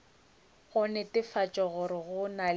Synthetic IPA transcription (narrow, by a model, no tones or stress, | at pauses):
ɣʊnɛtʼɪfat͡ʃʼɔɣʊɾɪɣʊnal